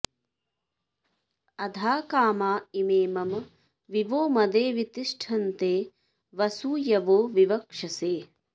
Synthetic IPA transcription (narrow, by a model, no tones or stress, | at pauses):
ɐd̪ʱaːkaːmaːimeːmɐm | ʋiʋoːmɐd̪eːʋit̪iʂʈʰɐnt̪eː | ʋɐsuːjɐʋoːʋiʋɐkʂɐseː